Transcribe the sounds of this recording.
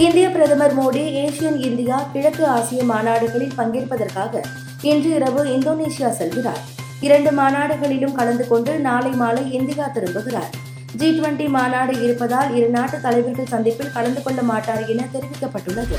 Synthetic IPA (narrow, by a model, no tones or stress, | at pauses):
ɪnd̪ɪjapɪɾɐðɐmɐɾmoːɽieːʂɪjɐnɪnd̪ɪjaːkɪɻɐkːɯaːsɪjɐmaːnaːɽɯɣɐɭɪlpɐŋɡɪɾɯpːɐðɐrkaːɣɐ | ɪndrɯɪɾɐʋɯɪnd̪oːneːsɪjaːsɛlɣɪra̰ːɾ | ɪɾɐɳɖɯmaːnaːɽɯɣɐɭɪlɯmkɐɭɐnd̪ɯkɔɳɖɯnaːlɐɪmaːlɐɪɪnd̪ɪjaːt̪ɪɾɯmbɯɣɪɾa̰ːɾ | d͡ʒiːʈʋɐɳʈimaːnaːɽɐɪɾɯpːɐðaːlɪɾɐnːaːʈːɯt̪ːɐlɐɪʋɐɾɣɐsɐnd̪ɪpːɪlkɐɭɐnd̪ɯkɔɭːɐmaːʈːaːɾɪnɐt̪ɛɾɪʋɪkːɐpːɐʈːɯɭːɐðɯ̰